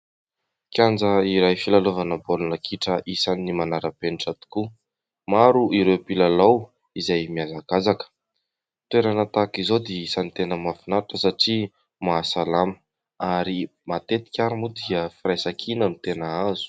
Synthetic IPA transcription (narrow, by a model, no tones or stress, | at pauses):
kʲjand͡zəiɾajfilalovanəbolunəkʰiʈ͡ʂəʔisanimanaɾəpeniʈ͡ʂat̪u̥ku | maɾuiɾewpilalaw | izajmiazaɡazakə̥ | t̪weɾanət̪akizod̪eisanit̪enəmafinaɾuʈ͡ʂəsaʈ͡ʂi | masalamə̥ | aɾimat̪et̪i̥kʲaɾumud̪iəfiɾajsakʰinənit̪enaazu̥